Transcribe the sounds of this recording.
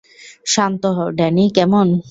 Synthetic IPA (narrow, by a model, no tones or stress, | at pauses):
ʃant̪ɔɦɔɖɛnikɛmon